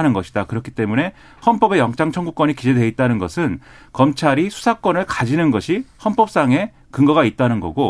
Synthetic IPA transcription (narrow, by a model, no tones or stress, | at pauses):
nɯnɡʌɕʰi̥dakɯɾʌkʰi̥t͈e̞mune̞ | hʌnp͈ʌbe̞jʌŋt͡ɕ͈aŋt͡ɕʰʌŋɡuk͈wʌɲikid͡ʑe̞dwe̞it̚t͈anɯnɡʌsʰɯnkʌmt͡ɕʰaɾisʰu̥sʰak͈wʌnɯɭkad͡ʑinɯnɡʌɕʰihʌnp͈ʌp̚s͈aŋe̞ | kɯŋɡʌɣait̚t͈anɯnɡʌ̰ɡo